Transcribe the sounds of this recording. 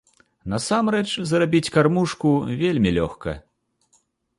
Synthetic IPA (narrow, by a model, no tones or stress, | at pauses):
nɐsamrɛt͡ʂzɐɾabʲit͡sʲkarmuʂkuvʲelʲmʲilʲɔxkɐ̰